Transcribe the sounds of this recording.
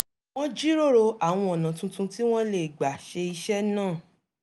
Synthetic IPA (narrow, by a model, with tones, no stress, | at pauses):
w̃ɔ̃˦d͡ʒi˦ɾo˦˨ɾo˧a˨w̃ɔ̃˧ɔ˨nã˨tũ˧tũ˧ti˦w̃ɔ̃˦le˨ɡ͡ba˨ʃe˧i˧ʃɛ˦nãː˦˨